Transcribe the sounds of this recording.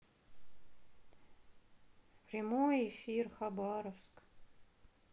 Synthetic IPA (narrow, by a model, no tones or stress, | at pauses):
prʲɪmojefʲirxabɑɾəfsk